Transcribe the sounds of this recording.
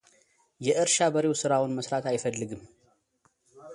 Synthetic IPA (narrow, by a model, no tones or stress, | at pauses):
jɛʔɨɾʃabəɾewsɨɾawʊnməsɾat̪ajfəlːɨɡɨm